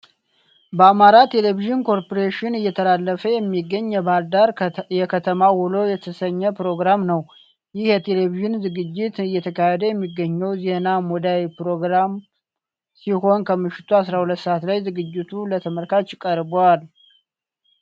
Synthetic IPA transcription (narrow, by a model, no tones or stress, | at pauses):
bəamaɾat̪ʰe̞leviʒɪnkʰo̞ɾpoɾeʃɪnɨjːɛt̪ʰəlalːəfəjɛmːiɡːəɲːɛbaɾd̪aɾjɛkʰət̪ʰəmawulo̞jɛt̪ʰəsəɲːəpɾo̞ɡɾamnəw | jɪhjɛt̪ʰe̞leviʒɪnzɨɡɨd͡ʒːɪt̪ɨjːɛt̪ʰəkʰahed̪əjɛmːiɡːəɲːəwze̞namod̪ajpɾoɡɾam | siɦo̞nkʰəmːɨʃɪ̥t̪ʰuas̬ɾahulət̪ːsəat̪lajzɨɡɨd͡ʒːɪt̪ʰulət̪ʰəməlkat͡ʃɪkʼəɾbwal